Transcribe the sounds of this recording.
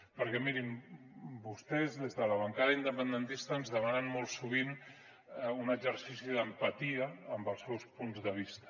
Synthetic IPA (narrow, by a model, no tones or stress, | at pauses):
pəɾkɛmiɾim | bust̪ɛzðezðələβəŋkaðəind̪əpənd̪ənt̪ist̪əːnzðəmanənmɔlˠsuβ̞in | unəɡzəɾsisiðəmpət̪iəːmbəlˠsɛwspunzðəβ̞ist̪ə̥